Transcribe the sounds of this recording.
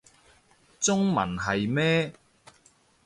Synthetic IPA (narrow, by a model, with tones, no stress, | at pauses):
t͡sʊ˥ŋmɐ̰˨˩nɦɐ˨jmɛː˥